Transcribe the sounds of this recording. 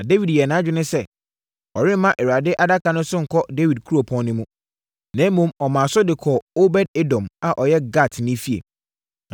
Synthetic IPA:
nã˨de˦wi˨djɛ˨nã˨˦d͡ʑᶣɪ˦nʊ̃˦sɛ˦˨ | ɔ˨ɾɪ̃˦m˦mã˦ʔɛ˨ɾa˨dɪ˦ʔa˦da˦kʰa˨nʊ̃˦sʊ˦ŋ̩˨kʰɔ˦de˦wi˨d̚kʰu˦ɾo˨pʰɔ̃˦nnʊ̃˦mũ˦ | nɛ̃˨˦mũ˦mɔ˨mã˨sʊ˦dɪ˨kʰɔ˨o˦bɛ˦d̚e˦dɔ̃˨ma˨ʔɔ˨jɛ˦ɡa˦˨tʰnɪ̃˦fi˦ḛ˨

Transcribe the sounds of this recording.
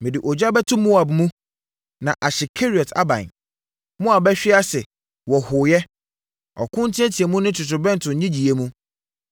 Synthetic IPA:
mɪ̃˨dɪ˨ʔɔ˨d͡ʑa˦bɛ˦tʰʊ̃˦mũ˦a˨bmũ˦ | nã˨ʔa˨ɕɪ˨kʰe˦ɾi˨ɔ˨tʰa̰˦bã̰˨n | mʊ̃˦a˨bɛ˦ɕᶣɪ˦a˦sɛ˨ | wɔ˨hʊ˨jɛ˦ | ɔ̰˨kʰʊ̃˦n˦tʰɪ̃˦ɛ˦tʰi˨e˨mũ˦nɪ̃˦tʰʊ˨tʊ˨bɛ̃˦n˨tʰʊ̃˨˦ɲĩ˦d͡ʑi˨je˦mũ˦

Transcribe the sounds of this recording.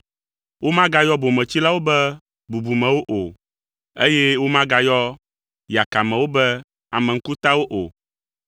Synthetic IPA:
wo˦mã˦ɡa˦jɔ˦bo˨mɛ̃˨t͡ɕi˦la˦wo˦bɛ˦ | bu˨bu˨mɛ̃˨wo˦ʔo˨ | e˦jɛ˦wo˦mã˦ɡa˨jɔ˦ | ja˨ka˨mɛ̃˨wo˦bɛ˦ | a˨mɛ˨ŋ̩˦ku˦t̪a˦wo˦ʔo˨

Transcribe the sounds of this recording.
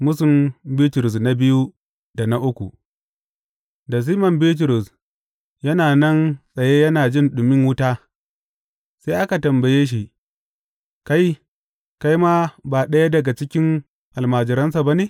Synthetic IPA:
mʊ˦sʊ˨mbi˦tɾʊ˨s̬na˦bɪ˦ju˦ | da˨na˦ʔʊ˦kʷṵ˨ | da˨s̬iː˦mɐ˨mbiː˦t̬ɾʊ˨s | jɐ˦naː˨nɐ˦nsʼɐ˨jeː˦jɐ˦naː˨d͡ʒɪ˦˨nɗʊ˨mɪ˦ŋwʊ˦taː˦ | seː˦ʔa˦ka˨tɐ˨mbɐ˨jeː˦ʃ̬i˨ | ka˦j | ka˦jmaː˦baː˨ɗɐ˦ja˦dɐ˨ɡa˨t͡ʃɪ˦kʲɪ˦ŋ | ʔa˨lmaː˨d͡ʒɪ˨ɾɐ˦nsa˨ba˦neː˨

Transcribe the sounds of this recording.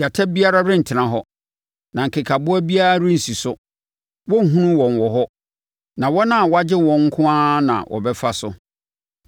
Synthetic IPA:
a˨tʰa˦bi˦a˦ɾa˦ɾɪ̃˦n̩˨tʰɪ˨nã˨ɦɔ˦ | nã˨ŋ̩˨kʰɪ˨kʰa˨bʊ˦æ˦bi˦a˦ɾa˦ɾɪ˦n̩˨si˨sʊ˦ | wɔ˦˨ɦũ˦nũ˦wɔ̃˨nwɔ˨ɦɔ˦ | nã˨wɔ˦nã˦˨wɔ˦a˦d͡ʑɪ˦wɔ̃˨ŋ̩˦kʰʊ̃˦ãː˦nã̰˨wʔɔ̰˨bɛ˦fa˦sʊ˦

